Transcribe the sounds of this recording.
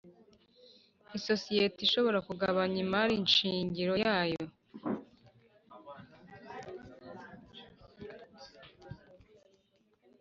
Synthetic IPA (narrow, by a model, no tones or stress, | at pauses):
iso̞sijetiʃo̞βo̞ɾakuɡaβaɲimaɾinʃiːɲɟiɾo̞jaːjo̞